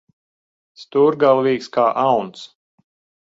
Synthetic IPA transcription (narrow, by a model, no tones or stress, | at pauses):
st̪uːɾɡalˠviːkskaːʔawns